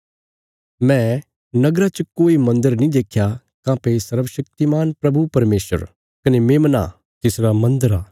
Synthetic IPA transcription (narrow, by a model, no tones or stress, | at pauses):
mɛ̃ | nɐɡɾat͡ʃɐkoːimɐ̃nd̪əɾnĩd̪eːkʰːja | kãːpesɐɾʋəʃɐk̚t̪imaːnpɾɐbupɐɾmeːsə̰ɾ | kɐnemeːmna̰ | t̪ɪsɾamɐ̃nd̪əɾaː